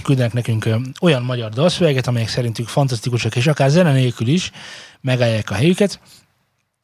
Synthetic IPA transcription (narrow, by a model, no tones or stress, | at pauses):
kyld̪ɛnɛknɛkyŋko̞jɒmmɒɟɒrd̪olsøvɛɡɛt̪ɒmɛjɛksɛɾint̪yŋkfɒnt̪ɒst̪ikuʃɒkeːʃɒkaːrzɛnɛneːlkyliʃmɛɡaːjːaːkɒɦɛjykɛt̪